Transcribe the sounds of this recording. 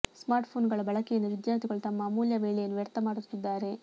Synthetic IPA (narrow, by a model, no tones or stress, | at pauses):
smaːɾʈpʰoːnɡɐɭɐbɐɭɐkɛjɐnːuʋid̪jaːɾt̪ʰiɡɐɭut̪ɐmːɐmuːljɐʋeːɭejɐnːuʋɛɾt̪ɐmaːɽut̪ːid̪ːaːɾe̞